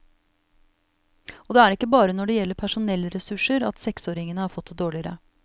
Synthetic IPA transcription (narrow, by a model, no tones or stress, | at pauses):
ʔɔd̪ɛæːɾɪkːəbɑːɾənɔɖɛjɛlːəɾpʰæʂʊnɛlːɾɛsʉʂəɾɑt̪sɛksoːɾɪŋənəhɑːɾfɔt̪̚d̪ɛd̪oːɭɪəɾə̰